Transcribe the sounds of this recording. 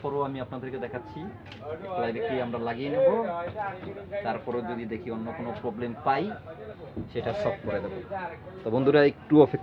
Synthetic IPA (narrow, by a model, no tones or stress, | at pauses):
pɔɾoamiapnad̪eɾked̪ɛkʰatːɕʰi | ek̚lajbekːiamɾalaɡienebo | t̪aɾpɔɾod͡ʑod̪id̪ekʰionːokonopɾɔblempaj | ʃeʈaʃɔb̚koɾed̪ebo | t̪ɔbond̪uɾaek̚ʈuɔfʰek